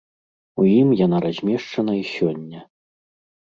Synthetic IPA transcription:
ujimjanaɾazʲmʲɛʂt͡ʂɐn̪ɐisʲɔnʲːɐ

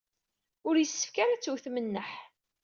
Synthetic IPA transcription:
ʊɾjəsːə̥fkaɾæt͡sːuθmənːəħ

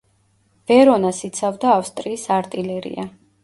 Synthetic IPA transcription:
v̥ɛɾɔnasit̪sʰavd̪aːfst̪ʼɾiːsaɾt̪ʼilɛɾḭa

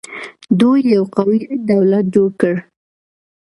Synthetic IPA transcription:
d̪ujːawqawid̪awlat̪̚d͡ʒoɽkəɽ

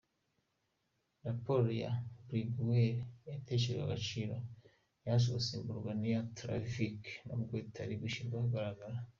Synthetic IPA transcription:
ɾapoɾja̰bɾiɡweɾjatet͡ʃeɾɡa̰ɡat͡ʃiːɾo | jas̬oβosibuɾɡwanijatɾa̰fiknomuɡweːtʰaɾibiʃiɡahaɡaɾaɡaɾa

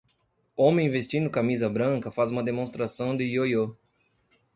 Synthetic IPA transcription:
õmẽj̃vest͡ʃĩd̪ʊkamizɐbɾɐ̃ŋkɐfazũmɐd̪emõst̪ɾasɐ̃w̃d̪ɪjojo

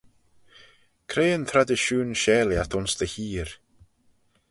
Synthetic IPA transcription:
kʰɾeːənt̪ʰɾad̪əʃuːnʃɛːljat̪ʰʊnsd̪əhiːɾ

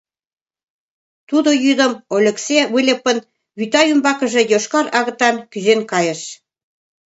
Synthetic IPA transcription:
t̪ud̪ojyd̪ə̆molʲə̆ksewulʲə̆pə̆n | βyt̪ɑjymbɑkə̆ʒĕjoʃkɑɾɑɣə̆t̪ɑnkyzenkɑjə̆ʃ

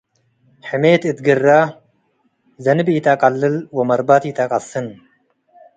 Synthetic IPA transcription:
ħɨmeːt̪ɨt̪ɡɨrːa | zɐnɨbjɪt̪ʰakʼɐlːɨlwɐmɐɾbat̪jɪt̪ʰakʼɐsːɨn

